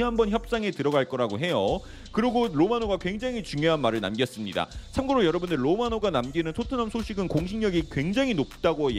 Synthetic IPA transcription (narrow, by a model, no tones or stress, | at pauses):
ɦambʌnçjʌp̚s͈aŋe̞tɯɾʌɡaɭk͈ʌɾaɡoɦe̞jo | kɯɾiɡoɾomanoɡakwe̞ŋd͡ʑaŋit͡ɕuŋjoɦanmaɾɯɭna̰mɡjʌs͈ɯmɲida̰t͡ɕʰamɡɯɾojʌɾʌbundɯɭːomanoɡanamɡinɯntʰotʰɯnamsʰoɕʰiɡɯnkoŋɕʰiŋɲʌɡikwe̞ŋd͡ʑaŋinop̚t͈aɡoj